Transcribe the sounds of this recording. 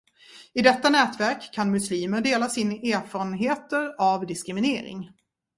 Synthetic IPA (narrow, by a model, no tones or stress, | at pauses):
ɪd̪ɛt̪ːanɛːt̪væɾkʰːanmɵsliːməɖeːlasɪnʔeːɾfɑːɾənɦeːt̪əɾavd̪ɪskɾɪmɪneːɾɪ̰ŋ